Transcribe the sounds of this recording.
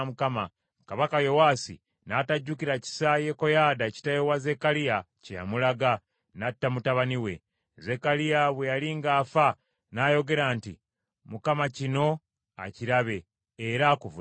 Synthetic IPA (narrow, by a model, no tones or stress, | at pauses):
mukama | kaβakajo̞waːsḭ | nataɟːukiɾaci̥saje̞kojaːdaci̥tajowaze̞kalija | ceja̰mulaɡa | natːamutaβaniwe̞̰ | ze̞kalijaβwejaliːŋɡaːfa | najo̞ɡe̞ɾaːntḭ | mukamacino̞ | a̰ciɾaβe̞ː | ɾakuvu